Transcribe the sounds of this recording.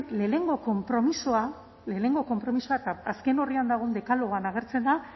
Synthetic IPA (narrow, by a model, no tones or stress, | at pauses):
le̞ːne̞ŋɡo̞ko̞mpɾo̞misoa | le̞ːne̞ŋɡo̞ko̞mpɾo̞misoat̪aːske̞no̞riand̪aɣ̞ond̪e̞kaloɣoanaɣ̞e̞ɾt͡se̞nd̪a